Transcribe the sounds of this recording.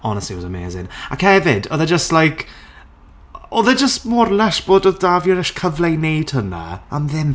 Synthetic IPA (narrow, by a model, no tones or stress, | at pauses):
ɔnəstiwɔzəmḛːzɪ̰na̰khɛvɪdɔðɛd͡ʒəstlajkʰ | oðɛd͡ʒəstmɔrlɛʃb̥oːdɔðdavjɔɾɛʃkʰəvlejnejd̥həna̰amðɪm